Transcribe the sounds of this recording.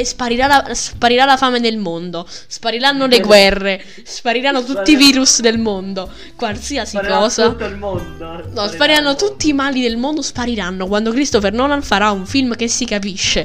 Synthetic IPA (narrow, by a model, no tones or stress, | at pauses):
spaɾiɾalaspaɾiɾalafaːmed̪elmond̪ospaɾiɾanːoleɡwɛrːe | spaɾiɾanːot̪ut̪ːiviːɾusd̪elmond̪o | kwalsiasikɔːsa | nɔspaɾiɾanːot̪ut̪ːiːmaːlid̪elmond̪ospaɾiɾanːokwand̪okɾist̪ofernɔːlaɱfaɾauɱfilmk̟esːikap̬iʃːe